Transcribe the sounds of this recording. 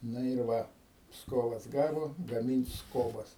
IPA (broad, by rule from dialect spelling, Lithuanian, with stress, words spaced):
ˈnɐ ɪr ˈʋɐ ˈpskoːʋɐs ˈɡɑːʋoː ɡɐmʲɪnʲtʲ ˈskoːbɐs